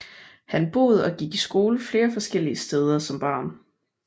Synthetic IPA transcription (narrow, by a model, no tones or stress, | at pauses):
hænb̥o̝̰ːð̞̰ˠɒ̽ɡ̥iɡ̥isɡ̥o̝ːləfle̝ːɐfɒ̽sɡ̥el̰iəsd̥eːð̞ˠɐsɒ̽mb̥ɑ̰̈ːn